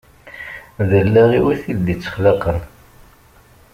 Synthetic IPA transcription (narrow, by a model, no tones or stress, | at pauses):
ðəlːæʁiwiθild̪it͡sːə̥χləqən